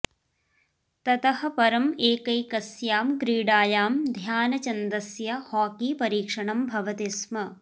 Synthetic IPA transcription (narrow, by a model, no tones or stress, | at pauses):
t̪ɐt̪ɐɦɐ̆pɐɾɐmeːkɐjkɐsjaːmɡɾiːɖaːjaːmd̪ʱjaːnɐt͡ʃɐnd̪ɐsjɐhaːkiːpɐɾiːkʂɐɳɐmbʱɐʋɐt̪ismɐ